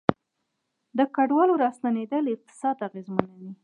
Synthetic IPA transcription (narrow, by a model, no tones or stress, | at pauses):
d̪əkaɖwɑloɾɑst̪aned̪əlɪq̚t̪ɪ̥sɑd̪aɣezmanad̪i